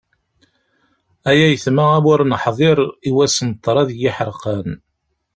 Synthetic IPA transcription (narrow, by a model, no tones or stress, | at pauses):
æjæjəθmaæwəɾnəħðˤeɾˤiwæsənt̪ˤːɾˤɑðjiħəɾqən